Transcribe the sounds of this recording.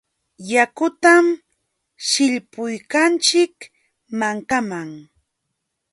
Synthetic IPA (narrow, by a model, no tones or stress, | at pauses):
jakʊt̪am | ʃɪʎpʊjkant͡ʃɪk | maŋkamaŋ